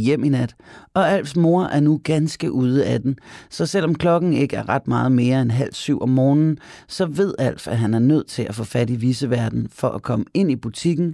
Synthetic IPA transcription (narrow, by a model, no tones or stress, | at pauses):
jem̰inæd̥ɒ̽æl̰fsmo̝ɐʔæɐnuɡ̥ænsɡ̥əʔuːð̞ˠəæd̥ensɒ̽sel̰ɒ̽mkʰlɒ̽ɡ̥n̩e̝ɡ̥əæɐʁɑ̈d̥mɑ̈ːð̞̩ˠme̝ːɐenɦæl̰syʊ̰ʔɒ̽mːɔːnn̩sɒ̽ʋe̝ð̞̰ˠæl̰fæɦænæɐnøð̞̰ˠt͡sʰe̝lʔæfɔ̰̽ːfæd̥iʋiːsəʋæɐd̥n̩fɒ̽ʔækʰɒ̽məe̝n̰ib̥ut͡sʰiɡ̥n̩